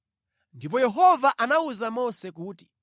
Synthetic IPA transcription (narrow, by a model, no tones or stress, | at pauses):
ndip̬ɔjɛɦɔvaʔanauzamɔsɛkuːti̥